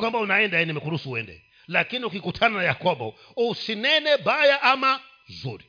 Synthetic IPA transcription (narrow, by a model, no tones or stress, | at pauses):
kwambaunaɛndaɛnɛmɛkuɾusiuɛ̰ndɛ̰ | lakiniukikutʰananajakɔbɔ | usinɛnɛbajaʔama | zṵɾi